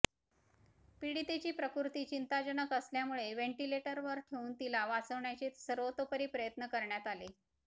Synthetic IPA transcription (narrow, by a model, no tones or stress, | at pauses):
piɽit̪et͡ɕiːpɾəkuɾt̪iːt͡ɕint̪ad͡ʑənəkəsljamuɭeʋeɳʈileʈəɾʋəɾt̪ʰeuːnt̪ilaʋat͡səʋɳjat͡ɕiːt̪səɾʋot̪opəɾiːpɾəjət̪nəkəɾɳjat̪ali